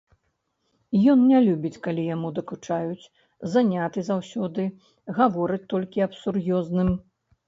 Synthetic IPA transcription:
jɔnnʲɛlʲubʲit͡sʲkalʲijamud̪ɐkut͡ʂajut͡sʲ | zanʲat̪ɨzawsʲɔd̪ɨ | ɣavɔɾɨt͡sʲt̪ɔlʲkʲiɐpsurjɔznɨm

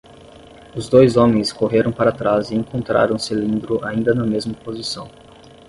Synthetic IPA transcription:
ʊzd̪ojzõmẽj̃skoɦeɾɐ̃w̃paɾat̪ɾazɪẽŋkõnt̪ɾa̰ɾɐ̃w̃sɪlĩnd̪ɾʊʔaĩnd̪ɐnɐmezmɐpozisɐ̃w̃

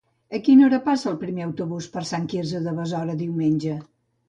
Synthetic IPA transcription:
əkinoɾəpasəːlˠpɾimeəwt̪uβuspəɾsaŋkiɾzəðəβəzɔɾəðiwmenʲd͡ʒə

